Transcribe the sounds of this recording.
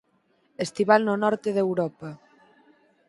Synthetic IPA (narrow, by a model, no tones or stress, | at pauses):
est̪iβalnonɔɾt̪eðewɾɔpɐ